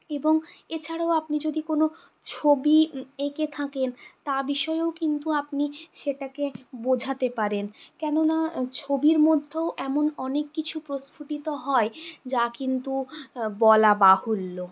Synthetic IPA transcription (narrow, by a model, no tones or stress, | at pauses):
eboŋet͡ɕʰaɽaoapnid͡ʑod̪ikono | t͡ɕʰobieket̪ʰakent̪abiʃɔeokint̪uapniʃeʈakebod͡ʑʱat̪epaɾenkɛnonat͡ɕʰobiɾmod̪ʱːeoʔɛmonɔnekːit͡ɕʰupɾosfʰuʈit̪oɦɔed͡ʑakint̪ubɔlabaholːo